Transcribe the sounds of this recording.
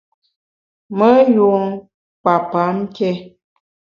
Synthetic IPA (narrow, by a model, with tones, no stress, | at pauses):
mə˦ju˨ŋ | k͡pa˨pa˨˦m˦kɛ˦